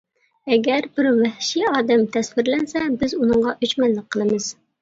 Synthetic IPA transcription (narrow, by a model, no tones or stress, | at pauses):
ɛɡʲɛɾbɪɾwɛhʃiɑːd̪ɛmt̪ʰɛswɪɾlɛnsɛbɪzunɨŋʁɑʔøt͡ʃmɛnləq̚qʰːəlˠɨmɨz̥